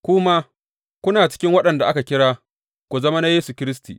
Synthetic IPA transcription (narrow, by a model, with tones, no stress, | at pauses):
kʷʊ˦ma˦ | kʷʊ˦naː˨t͡ʃɪ̥˦kʲɪ˦ŋwɐ˦ɗɐ˨nda˨ʔa˦ka˨kʲɪ˦ɽaː˦ | kʷu˨zɐ˦ma˦na˦jeː˦su˨kʲɪ˦ɾɪ˦stḭ˨